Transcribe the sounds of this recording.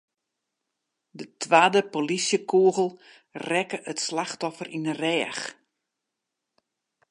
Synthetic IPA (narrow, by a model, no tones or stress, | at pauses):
dətʰʋaːdəpolisjəkʰuəɣəl̩ˠ | rɛkəʔətslaxtɔfərʔinərɛːx